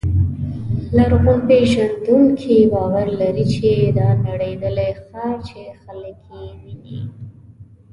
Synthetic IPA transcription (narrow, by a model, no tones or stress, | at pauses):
laɾɣonpeʒand̪uŋkʰibɑwaɾlaɾit͡ʃed̪ɑnaɽed̪əlexɑt͡ʃexələkʰjemini